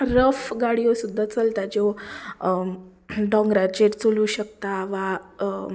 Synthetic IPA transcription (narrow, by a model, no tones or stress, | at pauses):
ɾəfɡaɽijosud̪ʱːat͡səlt̪ad͡ʑe | ɖɔ̃ŋɡɾat͡ɕeɾt͡soluːɕək̚t̪aʋa